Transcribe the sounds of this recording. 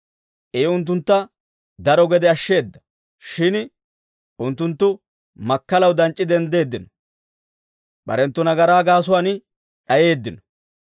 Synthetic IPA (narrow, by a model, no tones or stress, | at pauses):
ʔeːʊnt̪ːʊnt̪ːɐ | d̪ɐɾɔɡɛd̪ɛɐʃːe̞ːd̪ːɐ | ʃɪn | ʔʊnt̪ːʊnt̪ːʊ | mɐkːɐlɐwd̪ɐnt͡ʃʼːɪd̪ɛnd̪e̞ːd̪ːɪnɔ | ɓɐ̰ɾɛnt̪ːɔnɐɡɐɾaːɡaːs̬ʊwaːn | ᶑɐje̞ːd̪ːɪnɔ̥